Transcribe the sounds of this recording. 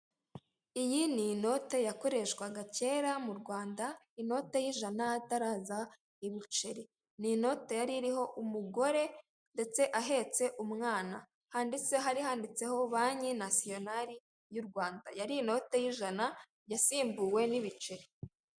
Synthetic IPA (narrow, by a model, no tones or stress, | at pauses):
ijinino̞te̞jako̞ɾe̞ʃkwaɡace̞ːɾamuɾɡwaːnda | ino̞te̞jiʒanaataɾaːza | iβit͡ʃeɾi | nino̞te̞jaɾiɾiɦo̞ʔumuɡo̞ɾe̞ | nde̞t͡se̞ʔaɦe̞t͡se̞ʔumŋaːna̰ | haːndit͡seɦaɾiɦaːndit͡se̞ho̞βaːɲinasio̞naɾi | juɾɡwaːnda̰jaɾiːno̞te̞jiʒana | jasiːmbuwe̞niβit͡ʃeɾi